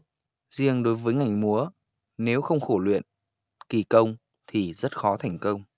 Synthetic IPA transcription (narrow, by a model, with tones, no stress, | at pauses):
zi˧əŋɗo˨˦jvəː˨˦jŋa˨˩jŋ̟mu˨˦ə | ne˨˦wxə˧wŋ͡mxo˧˩lwḭ˧˨ən | ki˧˩kə˧wŋ͡m | t̪ʰi˨˩zə˦˥t̚xɔ˨˦t̪ʰa˧˩jŋ̟kə˧wŋ͡m